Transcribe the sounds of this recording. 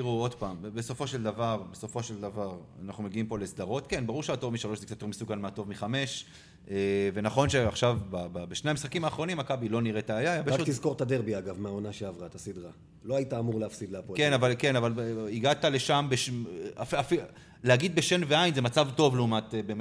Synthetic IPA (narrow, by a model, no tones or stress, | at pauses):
iʁuo̞d̪paːmbeso̞fo̞ʃe̞ld̪avaʁbe̞so̞fo̞ʃeld̪avaʁanaχnumeɡiimpo̞lesd̪aʁo̞t̪ke̞nbaʁuʁʃeato̞vmiʃalo̞ʃzekt͡sat̪ːeʁmisukanmeat̪o̞vmiχame̞ʃ | eve̞naχo̞nʃeaχʃavbababeʃnejamisχakimaːχʁo̞nimakabilo̞niʁet̪aːjajabeat̪izko̞ʁt̪ad̪eʁbiaɡavmeaonaʃeavʁat̪asid̪ʁa | lo̞ait̪aːmuʁleafsid̪leapokenavalke̞navaliɡat̪ale̞ʃambeafafi | lehaɡid̪̚be̞ʃe̞nveajnzemat͡savto̞vleumat̪ebem